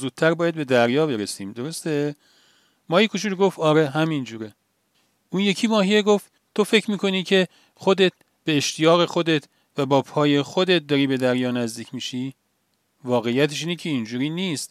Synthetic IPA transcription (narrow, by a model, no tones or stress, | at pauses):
zuːd̪̚tʰːæɾbɒːjæd̪̚be̞d̪æɾjɒːbe̞ɾesiːmd̪o̞ɾo̞st̪e | mɒːjikʰoʃuːd̪ɡoft̪ɒːɾeɦæmind͡ʒuːɾe | ʔuːnje̞cʰiːmɒːɦijeɡoft̪ | t̪ʰo̞fe̞cʰɾmiːkʰo̞niːcʰe̞ | xo̞d̪e̞t̪̚ | b̥e̞ːʃt̪ʰijɒːɣe̞xo̞d̪e̞t̪ʰ | væbɒːpʰɒːje̞xod̪et̪̚d̪ɒːɾiːbe̞d̪æɾjɒːnæzd̪iːcʰmiːʃi | vɒːɣe̞jːæt̪ʰeʃ̬iːnecʰe̞ind͡ʒuːɾiːniːst̪